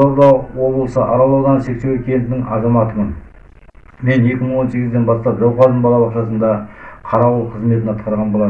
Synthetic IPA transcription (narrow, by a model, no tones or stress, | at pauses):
ɑd̪ɑqwo̞blˠəsəʔɑɾɑlˠɑwd̪ɑnse̞k̚sewekʲʰent̪ɪnɪŋɑ̰zɑmɑt̪əmən | me̞ne̞kʲɪməɴwo̞nse̞ɡʲɪzd̪e̞nbɑst̪ɑpʒɑwqɑɾd̪əɴbɑlˠɑb̪ˠɑqʃɑsənd̪ɑqʰɑɾɑʁulˠqʰəzme̞t̪ɪnɑt̪̚qɑɾʁɑnbɑlˠɑ